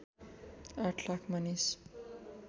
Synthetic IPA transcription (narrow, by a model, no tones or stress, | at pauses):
aʈʰlakʰmanis